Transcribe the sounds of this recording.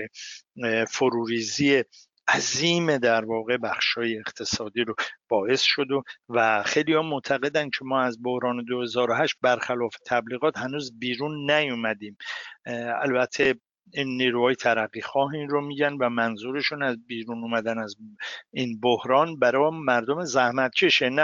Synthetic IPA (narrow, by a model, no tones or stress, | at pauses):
e | foɾuːɾiːziːe | æziːme̞d̪æɾvɒːɣe̞bæxʃhɒːjeːχt̪ʰe̞sɒːd̪iːɾob̥ɒːe̞sʃo̞d̪ovæxejliːhɒːmoʔt̪ʰæɣe̞d̪æncʰe̞mɒːæzbohɾɒːne̞d̪ohe̞zɒːɾoɦæʃt̪̚bæɾxælɒːfet̪ʰæbliːɣɒːt̪hænuːzbiːɾuːnːæjumæd̪iːm | æ̰lbæt̪ʰːe | inːiːɾuːhɒːje̞t̪ʰæɾæɣːixɒːɦinromiːɟænd̪væmænzuːɾe̞ʃunæzbiːɾunuːmæd̪ænæziːnbohɾɒːnbæɾɒmæɾd̪o̞me̞zæhmæt̪̚t͡ʃʰe̞ʃenæ